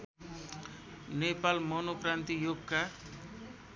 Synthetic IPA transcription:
nepalmʌnokɾant̪ijoɡka

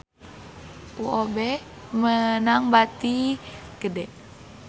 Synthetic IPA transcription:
ʔuobɛ | mənaŋbat̪iɡ̥ədɛʔ

